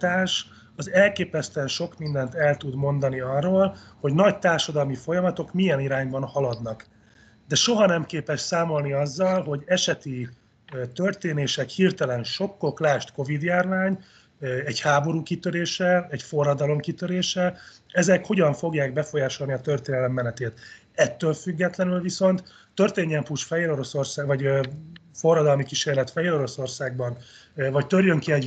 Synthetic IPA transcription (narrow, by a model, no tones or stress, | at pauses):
t̪aːʃ | ɒzɛlkeːpɛst̪øɛnʃo̞kmind̪ɛnt̪ɛlt̪ud̪mo̞nd̪ɒniɒrːoːlho̞ɟnɒɟt̪aːrʃɒd̪ɒlmifo̞jɒmɒt̪o̞kmijɛniɾaːɲbɒnhɒlɒd̪nɒk | d̪ɛʃo̞ɦɒnɛmkeːpɛʃsaːmo̞lniɒzːɒlɦo̞ɟɛʃɛt̪i | t̪ørt̪eːneːʃɛkhirt̪ɛlɛnʃo̞kːo̞klaːʃt̪ko̞vid̪jaːrvaːɲ | ɛɟhaːbo̞ɾuːkit̪øɾeːʃɛɛɟfo̞rːɒd̪ɒlo̞mkit̪ø̞ɾeːʃɛ | ɛzɛkho̞ɟɒɱfo̞ɡjaːɡbɛfo̞jaːʃo̞lniɒt̪ø̞rt̪eːnɛlɛmːɛnɛt̪eːt̪ | ɛt̪ːøːlfyɡːɛt̪lɛnylviso̞nt̪ː | ø̞rt̪eːɲːɛmpuːʃfɛjeːɾo̞ɾo̞so̞rsaːvɒɟ | fo̞rːɒd̪ɒlmikiʃeːrlɛt̪fɛjeːɾo̞ɾo̞so̞rsaːɡ̚bɒnvɒc̚t̪ørjøŋkiɛɟ